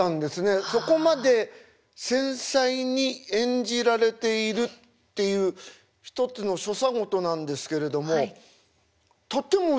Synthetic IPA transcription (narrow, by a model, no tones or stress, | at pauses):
ãnd̪e̞sɨne̞so̞ko̞mad̪e̞ | sẽ̞ɰ̃saiɲ̟iẽ̞ɲ̟d͡ʑiɾaɾe̞t̪e̞iɾɯ̟t̪ː | e̞jɯ̟ː | çi̥t̪o̞t͡sɨno̞ɕo̞saɡo̞t̪o̞nãnd̪e̞sɨ̥ke̞ɾe̞d̪o̞mo̞ | t̪o̞t̪ːe̞mo